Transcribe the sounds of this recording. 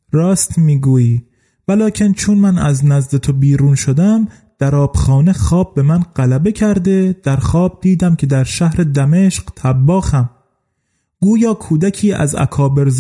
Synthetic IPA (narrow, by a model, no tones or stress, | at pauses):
ɾɒːst̪miːɡuːjiː | vælɒːcʲʰent͡ʃʰonmænæznæzd̪et̪ʰobiːɾuːnʃod̪æm | d̪̥æɾɒːb̥xɒːnexɒːb̚ːe̞mænɢ̥ælæbe̞cʰæɾd̪e̞d̪̥æɾxɒːb̚d̪iːd̪æmcʰe̞d̪æɾʃæhɾe̞d̪æme̞ʃqt̪ʰæbːɒːxæm | ɡ̥uːjɒːkʰuːd̪ækʰiːʔæ̰zæ̰kʰɒːbe̞ɾz